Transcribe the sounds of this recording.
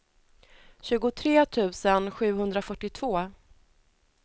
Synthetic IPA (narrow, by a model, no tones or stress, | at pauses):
ɕʉ̟ːɡʊt̪ʰɾeːt̪ʰʉ̟ːsənɧʉ̟ːhɵnd̪ɾafœʈːɪt̪ʰv̥oː